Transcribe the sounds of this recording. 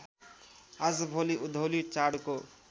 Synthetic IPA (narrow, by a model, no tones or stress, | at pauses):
ad͡zbʱoliʔud̪ʱowlit͡ʃaɽko